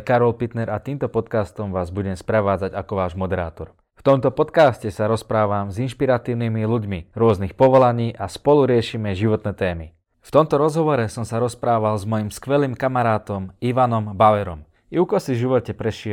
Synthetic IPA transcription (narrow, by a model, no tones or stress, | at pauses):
kaɾɔlpit̪nɛɾat̪iːmt̪ɔpɔt̪kaːst̪ɔmʋaːzbuɟɛmspɾɛʋaːd͡zaɟakɔʋaːʒmɔd̪ɛɾa̰ːt̪ɔɾ | ft̪ɔmt̪ɔpɔt̪kaːscɛsaɾɔspɾaːʋamzinʃpiɾat̪iːʊnimiluɟmiɾʊɔznixpɔʋɔlaɲiːʔaspɔluɾɪɛʃimɛʒiʋɔt̪nɛːt̪ɛːmi | ft̪ɔmt̪ɔɾɔzɦɔʋɔɾɛsɔmsaɾɔspɾaːʋalzmɔjimskʋɛliːmkamaɾaːt̪ɔmiʋanɔmbaʋɛɾɔm | iukɔsiʒiʋɔcɛpɾɛʃɪɛ